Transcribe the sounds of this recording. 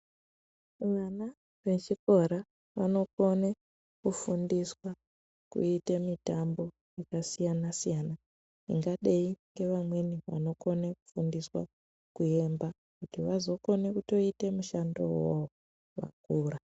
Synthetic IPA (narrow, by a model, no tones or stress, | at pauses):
ʋana | ʋe̞t͡ʃiko̞ɾa | ʋano̞kone | kufundiswa | kṵitemitambo̞ | jakasijanasijana | nḭŋɡaɗeiŋɡe̞ʋamwe̞niʋa̰no̞ko̞neku̥fundiswa̰ | kue̞mba | kutiʋazo̞ko̞ne̞kuto̞ite̞muʃando̞̰woo | ʋa̰kuːra